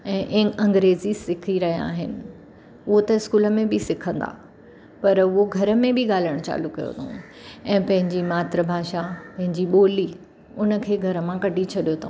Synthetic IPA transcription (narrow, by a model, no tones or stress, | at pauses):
ɛ̃ːʔɪ̃ɐ̃ŋɡɾeːzisɪkʰiɾɐɦija̰ːɦɪnɪ̆ | ʊɦot̪ɐɪskuːlə̆mẽbɪsɪkʰə̃nd̪a̰ː | pɐɾʊɦoɡʱɐɾə̆mẽbʱɪɠaːl̤iəɽ̃t͡ɕa̰ːlʊkːɐjo̰t̪ʰõ | ɛ̃ːpɐ̃ɦɪ̃ɲd͡ʑimaːt̪ɾəbʱaːʃapɐ̃ɦɪ̃ɲd͡ʑiɓoːli | ʊnə̆kʰeːɡʱɐɾə̆mãkɐɖʱit͡ɕʰɐɗijot̪ʰõ